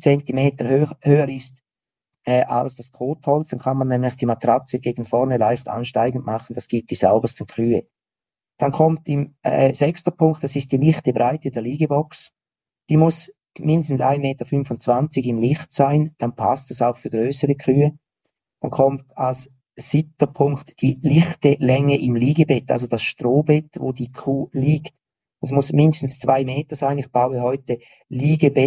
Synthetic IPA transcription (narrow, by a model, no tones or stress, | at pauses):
t͡sɛntimeːtəhøhøːəɾɪst | ɛʔa̰lsd̥askʰʁoːthɔlt͡sd̥ankʰanmanːɛmlɪçd̥iːmatʁat͡səɡ̥eːɡn̩fɔʁnəlaɪçta̰nʃtaɪɡən̩tmaχən̩d̥asɡ̥ip̚d̥iːza̰ʊbəstən̩kʁ̥yːə | d̥ankʰɔmtɪmɛzɛkstəpʰʊŋktd̥asɪstd̥iːlɪχtəbʁaɪtədɛːɐliːɡəbɔks | d̥iːmʊs | mɪndəstn̩sa̰ɪnmeːtəfʏnfʊntt͡sv̥ant͡sɪɡɪmlɪχtsaɪnd̥anpʰa̰stɛsaʊxfyːɐɡʁøːsəʁəkʰʁyːə | mankʰɔmtals | sɪp̚təpʰʊŋktd̥iːlɪχtəlɛŋəʔɪmliːɡəbɛta̰lzod̥asʃtroːbɛtvo̰ːdiːkʰuːliːkt | ɛsmʊsmɪndəstn̩st͡sv̥aɪmeːtəzaɪnɪχb̥aʊəɦɔʏtə | liːɡəbɛ